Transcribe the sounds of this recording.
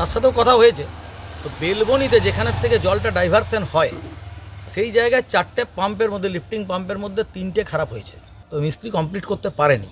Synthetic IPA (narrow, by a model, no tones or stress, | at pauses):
t̪aʃat̪̬eokɔt̪ʰaoɦojet͡ɕʰe | t̪obelbonit̪̬ed͡ʑekʰanet̪ʰːeked͡ʑɔlʈaɖajbʱaɾsenhɔe | ʃejd͡ʑaeɡaet͡ɕaɾʈːepampeɾmod̪ʱːelipʈiŋpampeɾmod̪ʱːet̪inʈekʰaɾapɦojet͡ɕʰe̥ | t̪ɔemist̪ɾikɔmpliʈkoɾt̪epaɾenḭ